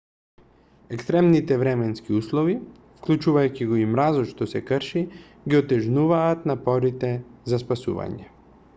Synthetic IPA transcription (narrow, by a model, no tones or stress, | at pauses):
ɛkst̪ɾɛmnit̪ɛvɾɛmɛnskiuslˠɔvi | fklʲˠut͡ʃuvajciɡɔimɾazɔʃt̪ɔsɛkrʃi | ɡiɔt̪ɛʒnuvaːt̪napɔɾit̪ɛzaspasṵva̰ɲɛ